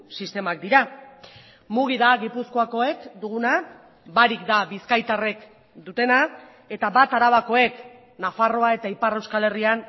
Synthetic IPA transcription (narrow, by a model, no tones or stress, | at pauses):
sist̪e̞mak̚d̪iɾa | muɣ̞iðaɣipusko̞ako̞e̞kd̪uɣ̞una | baɾikd̪aβiskajt̪are̞k | d̪ut̪e̞na | e̞t̪aβat̪aɾaβako̞e̞k | nafaro̞ae̞t̪aipare̞wskale̞rian